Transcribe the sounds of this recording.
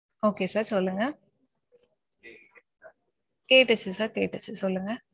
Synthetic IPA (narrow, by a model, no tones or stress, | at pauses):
oːkeːsɐɾsɔlːɯŋɡɐ | keːʈːɐt͡ɕːɛsaɾkeːʈːɐt͡ɕːɛsɔlːɯŋɡɐ